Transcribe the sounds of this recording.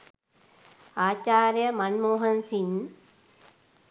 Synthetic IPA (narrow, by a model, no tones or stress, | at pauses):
aːt͡ɕaːɾjɐmɐnmoːɦɐnsin